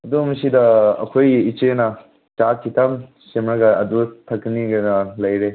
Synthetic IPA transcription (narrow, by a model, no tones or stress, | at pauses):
ɐdumsidɐɐ̰kʰojɡiit͡ʃenɐ | t͡ʃat̚kʰitʰam | semɾɐɡɐɐdutʰɐk̚ːiniɡɐnɐlɐjɾe